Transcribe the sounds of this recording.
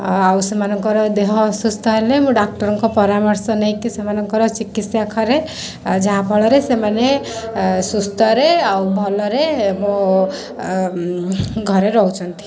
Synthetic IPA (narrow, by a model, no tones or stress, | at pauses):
awsemanɔŋkɔɾɔd̪eɦɔsust̪ʰɔɦelemũɖak̚ʈɔɾɔŋkɔpɔɾamɔɾsɔnaj̃kisemanɔŋkɔɾɔt͡ʃikit̪sjakʰɔɾe | d͡ʒaɦabʱɔɭɔɾesemane | sust̪ʰɔɾeawbʱɔlɔɾemõ | ɡʱɔɾeɾɔɦut͡ʃʰɔnt̪ʰi̥